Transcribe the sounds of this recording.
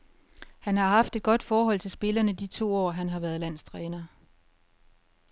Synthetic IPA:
hænhɑ̈ɦɑ̈fd̥e̝d̥̚ɡ̥ɒ̽d̥fɒːɦɒ̽l̰t͡sʰe̝lsb̥e̝lɐnəd̥it͡sʰo̝̰ːɒ̰ːɦænɦɑ̈ʋæːɐð̞̩ˠlæn̰st͡sʰʁɛːnɐ

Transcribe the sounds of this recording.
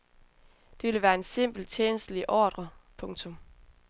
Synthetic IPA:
d̥e̝ʋelʋæːɐe̝nse̝m̰b̥l̩t͡sʰeːnəsd̥liʔɒːd̥ʁɐpʰɔ̽ŋt͡sʰɔ̽m

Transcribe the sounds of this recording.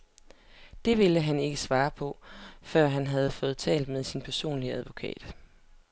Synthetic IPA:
d̥e̝ʋe̝ləɦæne̝ɡ̥əsʋɑ̈ːpʰɒ̽fɶɐ̰ɦænɦæð̞̩ˠəfɔ̽ːð̞̩ˠt͡sʰɛ̰ːld̥með̞ˠsinpʰæɐso̝̰ːnliəæð̞ˠʋo̝kʰɛ̰ːd̥

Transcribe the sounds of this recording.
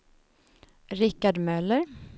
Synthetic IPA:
ɾɪkːaɖmœləɾ

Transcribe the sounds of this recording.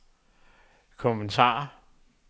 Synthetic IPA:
kʰɔment͡sʰɑ̰̈ːɐ

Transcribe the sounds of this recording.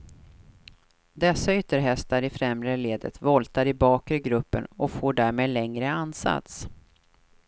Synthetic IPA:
d̪ɛsːaʏt̪ːəɾɦɛst̪aɾɪfɾɛmɾəleːd̪ə̰t̪vɔlt̪aɾɪbɑːkəɾɡɾɵpːə̰nɔfoːɖæːɾmeːd̪lɛŋɾəanːsa̰t̪s

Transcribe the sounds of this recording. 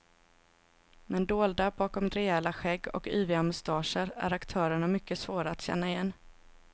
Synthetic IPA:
mɛnd̪oːld̪abɑːkɔmɾɛɛlaɧɛɡːɔ̰kyːvɪamʊst̪ɑːʂəɾæ̰ɾakt̪ʰœːɾəɳamʏkːəsvoːɾaat̪ɕɛ̰nːaɪjɛnː

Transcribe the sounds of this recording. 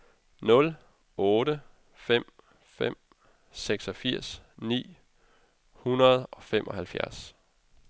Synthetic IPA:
nɔ̽l | ɔ̽ːɾə | fem̰ | fem̰ | seɡ̥sɒ̽fiɐ̰snḭː | hunɐð̞̩ˠɒ̽fem̰ʔɒ̽hælfjæɐs

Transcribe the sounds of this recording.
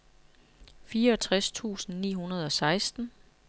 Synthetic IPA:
fiːɐɒ̽t͡sʰʁast͡sʰṵːsn̩nḭːɦunɐð̞ˠɒ̽sɑ̈ɪsd̥n̩

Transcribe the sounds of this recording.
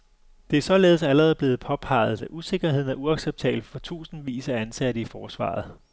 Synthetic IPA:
d̥e̝æɐsɒ̽leːð̞̩ˠsæləʁɛːð̩ˠb̥le̝ːð̞̩ˠpʰɒ̽pʰɑ̈ɪ̰ð̞̥ˠæʔuse̝ɡ̥ɐɦe̝ð̞̰ˠn̩æɐuɑ̈ɡ̥seb̥̚t͡sʰɛ̰ːb̥l̩fɒ̽t͡sʰṵːsn̩ʋḭːsæænsæɾəifɒːsʋɑ̰̈ːð̞̩ˠ

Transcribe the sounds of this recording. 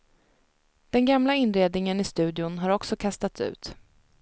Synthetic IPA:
d̪̥ɛnɡamlaɪnɾeːd̪nɪŋənɪst̪ʉ̟ːd̪jʊnɦaɾɔksɔkʰast̪at̪sʉ̟̰ːt̪

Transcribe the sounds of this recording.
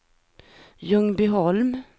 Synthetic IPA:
jɵŋːbɪɦɔlm

